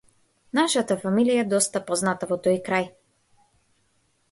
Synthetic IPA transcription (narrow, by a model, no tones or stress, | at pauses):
naʃat̪afamilijad̪ɔst̪apoznat̪avɔt̪ɔjkɾaj